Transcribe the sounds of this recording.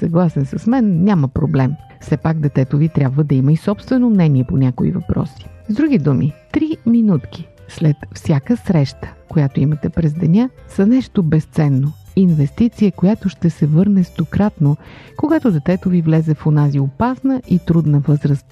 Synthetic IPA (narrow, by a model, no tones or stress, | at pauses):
sɐɡlˠasɛnsəsmɛnːʲaməpɾoblɛmfsɛpaɡd̪ɛt̪ɛt̪ovit̪ɾʲabvəd̪ɐiməisɔpst̪vɛnomnɛniɛponʲakoḭvɐpɾɔ̰si̥zd̪ɾuɡ̟id̪umit̪ɾiminut̪k̟i̥slɛt̪fsʲjakəsɾɛʃt̪ə̥kojat̪oimət̪ɛpɾɛzd̪ɛnʲasənɛʃt̪obɛst̪sɛnːoinvɛst̪it̪siəkojat̪oʃt̪ɛsɛvɤɾnɛst̪okɾat̪nokoɡat̪od̪ɛt̪ɛt̪ovivlɛzɛfonaziopasnəʔit̪ɾud̪nəvɤzɾəst̪̚